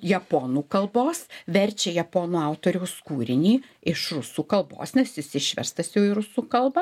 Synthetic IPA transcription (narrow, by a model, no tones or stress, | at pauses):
jɛpoːnuːkɐlˠboːsʋʲɛrʲt͡ʃʲɛjɛpoːnuːɐʊt̪oːɾʲɛʊskuːɾʲɪnʲiː | ɪʃrʊsuːkɐlˠbo̰ːsnʲɛsjɪsɪʃʲʋʲɛ̰st̪ɐsjɛʊiɾʊsuːkɐlˠbɐ